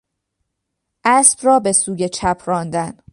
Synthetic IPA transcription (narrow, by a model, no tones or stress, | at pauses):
ʔæsb̥rɒːbe̞suːje̞t͡ʃʰæpʰɾɒːnd̪æn